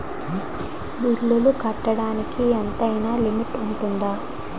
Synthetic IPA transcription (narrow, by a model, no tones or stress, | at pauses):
bilːulukɐʈːɐɽaːnikient̪ɐjnaːlimiʈuɳʈund̪aː